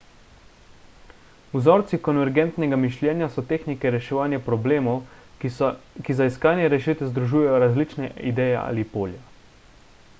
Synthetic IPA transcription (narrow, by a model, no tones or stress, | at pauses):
uzɔːɾt̪sikɔnʋɛɾɡɛnt̪nɛɡamiʃljɛːnjasɔt̪eːxnikɛɾɛʃɛʋaːnjapɾɔbleːmɔw | kizaiskaːnjɛɾɛʃit̪ɛzd̪ɾuʒuːjɛjɔɾazlit͡ʃnɛid̪ɛːjɛ̰a̰ːlipoːlja